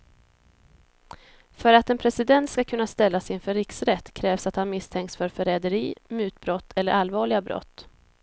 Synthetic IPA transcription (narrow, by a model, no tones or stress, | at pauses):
fœɾat̪ɛnpʰɾɛsɪd̪ɛnt̪skakʰɵnːast̪ɛlːasɪnfœɾɪksɾɛt̪ːkʰɾɛːvsat̪hanmɪst̪ʰɛŋkt̪sfœɾfœɾɛːd̪əɾiːmʉ̟ːt̪̚bɾɔt̪ːɛlːəɾalvɑːɭɪɡabɾɔ̰t̪ː